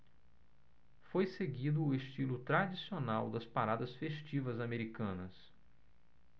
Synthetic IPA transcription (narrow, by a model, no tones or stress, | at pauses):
fojseɡid̪ʊːeʃt͡ʃilʊt̪ɾad͡ʒisionawd̪ɐspaɾad̪ɐsfeʃt͡ʃivɐzameɾikɐ̃nɐs